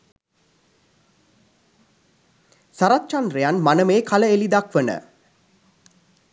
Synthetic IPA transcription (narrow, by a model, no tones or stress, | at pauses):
saɾat̪t͡ʃand̪rejanmanəmeːkʰaləelid̪akʋənə̰